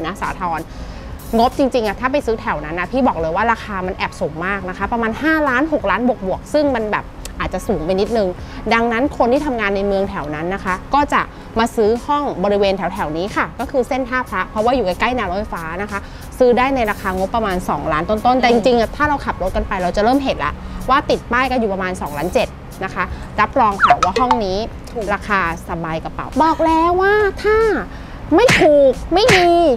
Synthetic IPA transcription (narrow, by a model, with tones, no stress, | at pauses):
na˦˥sa̰ː˩˦t̪ʰɔː˧n | ŋo˦˥p̚t͡ɕi˧ŋt͡ɕi˧ŋʔa˨˩t̪ʰaː˥˩pa˧jsɯː˦˥t̪ʰɛ˩˦wna˦˥nʔa˧˩pʰiː˥˩bɔː˨˩k̚lɤː˧jwaː˥˩ɾaː˧xʰaː˧ma˧nʔɛː˨˩p̚suː˩˦ŋmaː˥˩k̚na˦˥kʰa˦˥pɾa˧maː˧nhaː˥˩laː˦˥nɦo˨˩k̚laː˦˥nbu˨˩ək̚bu˨˩ək̚sɯ˥˩ŋma˧nbɛː˨˩p̚ʔaː˨˩t̪̚t͡ɕa˨ʔsuː˩˦ŋpa˧jni˦˥t̪̚nɯ˨˧ŋ | da˧ŋna˦˥nkʰo˧nt̪ʰiː˥˩t̪ʰa˧mŋaː˧nːa˧jmɯ˧əŋt̪ʰɛ˩˦wna˦˥nːa˦˥kʰa˦˥kɔː˥˩t͡ɕa̰˨˩ʔ | maː˧sɯː˦˥hɔ˥˩ŋbɔː˧ɾi˦˥weː˧nt̪ʰɛ˩˦wt̪ʰɛ˩˦wniː˦˥kʰa˥˩kɔː˥˩kʰɯː˧se˥˩np̪ʰaː˥˩pʰɾa˦˥pʰɾɔ˦˥waː˥˩juː˨˩ka˧jka˥˩jnɛ˧wlɔː˥˩jfaː˦˥na˦˥kʰa˦˥ | sɯː˦˥daː˥˩jna˧jɾaː˧kʰaː˧ŋo˦˥pːɾa˧maː˧nsɔ̰ː˩˦ŋlaː˦˥nt̪o˧˥˩nt̪o˥˩nt̪ɛː˨˩t͡ɕi˧ŋt͡ɕi˧ŋ˩t̪ʰaː˥˩ɾa˧wkʰa˨˩p̚lo˦˥t̪̚ka˧npa˧jɾa˧wt͡ɕa˨˩ɾɤː˥˩mɦe˨˩t̪̚la̰˧˦ʔwaː˥˩t̪i˨˩t̪̚paː˥˩jkɔː˥˩juː˨˩pɾa˧maː˧nsɔː˩˦ŋlaː˦˥nt͡ɕe˨˩t̪̚ | na˦˥kʰa˦˥ | ɾa˦˥p̚ɾɔː˧ŋkʰa˨˩waː˥˩ɦɔ˥˩ŋniː˦˥ | ɾaː˧kʰaː˧sa˧baː˧jka˧pa̰˨˩˦wbɔː˨˩k̚lɛː˦˥wːaː˥˩t̪ʰaː˥˩ | ma˥˩jt̪ʰuː˨˩k̚ma˥˩jmiː˧